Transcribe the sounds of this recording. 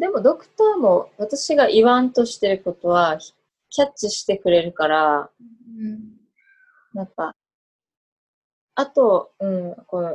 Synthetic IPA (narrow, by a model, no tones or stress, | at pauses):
d̪e̞mo̞d̪o̞kɯ̟̥t̪aːmo̞βat̪aɕiɡaʔiβãnt̪o̞ɕi̥t̪e̞ɾɯ̟ko̞t̪o̞βḁ | kʲat͡ɕːiɕi̥t̪e̞kɯ̟ɾe̞ɾɯ̟kaɾa | ɯ̟̃ɴ | nãŋka | at̪o̞ɯ̟̃ɴko̞no